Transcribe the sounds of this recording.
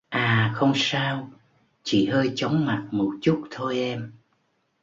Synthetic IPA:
ʔaː˨˩xə˧wŋ͡msaː˧w | t͡ɕi˧˩ɦəː˧jt͡ɕə˨˦wŋ͡mma˨˩t̚mo˨˩t̚t͡ɕu˦˥t̚t̪ʰo˧jʔɛ˧m

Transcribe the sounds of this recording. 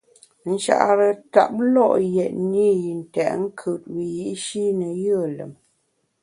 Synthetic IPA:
n̩˦ʃa̰˨ʔa˨ɾə˨ta̰˨p̚lɔ˦˨ʔjɛ˨t̚ni˦ji˨n̩˨tɛ̰˨ʔŋ̩˦kʰɯ˨t̚wi˨ji˦ʔʃi˦nə˨jə˦˨lə̰˨m

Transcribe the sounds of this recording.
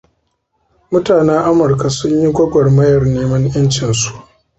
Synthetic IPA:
mʊ˦taː˨nɛː˦ʔa˦mʊ˨ɾka˨sʊ˦ɲji˦ɡʷɐ˦ɡʷɐ˨rmɐ˦jɐ˨rneː˦mɐ˦ŋjɐ˦nt͡ʃɪ˨nsu̥˦ʔ

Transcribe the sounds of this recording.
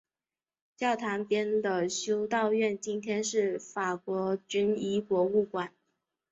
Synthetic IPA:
t͡ɕjɑ˥˩ʊt̪ʰa˧˥npjɛ˥nd̪ə˨ɕjo˥ʊt̪ɑ˥˧ʊɥɛ˥˩nt͡ɕi˥nt̪ʰjɛ˥nʂɻ̩˥˩fa˨˩kwɔ˧˥t͡ɕy˥ni˧˥kwɔ˧˥u˥˩kwa˨˩˦n

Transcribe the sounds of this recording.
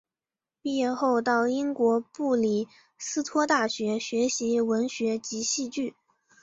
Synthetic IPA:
pi˥˧jɛ˥˧xo˥˧ʊt̪ɑ˥˩ʊi˥ŋkwɔ˧˥pu˥˩li˨˩ | sɹ̩˥t̪ʰwɔ˥t̪a˥˩ɕɥɛ˧˥ɕɥɛ˧˥ɕi˧˥wə˧˥nɕɥɛ˧˥t͡ɕi˧˥ɕi˥˧t͡ɕy˥˩

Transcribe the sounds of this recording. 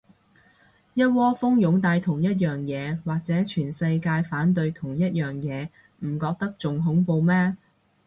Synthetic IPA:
jɐ˥t̚wɔː˥fʊ˥ŋjʊ˨˥ŋt̪aː˧jt̪ʰʊ˨˩ŋjɐ˥t̚jœː˨ŋjɛː˨˧waː˨k̚t͡sɛː˨˥t͡ʃʰyː˨˩nsɐ˧jkaː˧jfaː˨˥nt̪̬ɵ˧ɥt̪ʰʊ˨˩ŋjɐ˥t̚jœː˨˩ŋjɛː˨˧ | m̩˨˩kɔː˧k̚t̪ɐ˥k̚t͡sʊ˨ŋɦʊ˨˥ŋpo˨˧wmɛː˥

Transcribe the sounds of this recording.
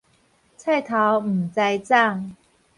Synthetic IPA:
t͡sʰa˥˧ɪt̪ʰa˨˥wm̩˨˩t͡sa˥˧jt͡sa˥˧˩ŋ

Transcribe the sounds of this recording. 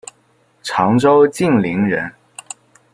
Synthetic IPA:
ʈ͡ʂʰɑ˧˥ŋʈ͡ʂo˥ʊt͡ɕi˥˩ŋli˧˥ŋɻə˧˥n

